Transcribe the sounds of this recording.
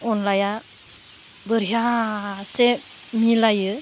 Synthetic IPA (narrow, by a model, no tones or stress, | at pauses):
ɔnlaja | bəɾiɦase | milajɯ